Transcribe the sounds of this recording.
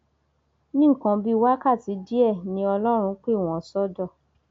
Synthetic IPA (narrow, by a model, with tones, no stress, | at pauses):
nĩ˦˨kã˧˦bi˦˧wa˦ka˦˨ti˨˦di˦ɛ˦˨nĩ˧˦ɔ˧lɔ˦ɾ̃ũ˧˦k͡pe˦˨w̃ɔ̃˨sɔ˦dɔ˦˨